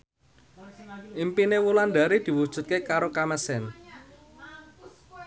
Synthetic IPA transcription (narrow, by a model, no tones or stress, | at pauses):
ʔimpinewuland̪a̤ɾid̪̥i̤wud̥ʒ̥ṳt̪̚kekaɾokaməsɛn